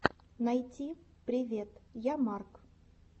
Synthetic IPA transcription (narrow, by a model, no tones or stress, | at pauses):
najtʲipɾʲɪvʲet̪jamark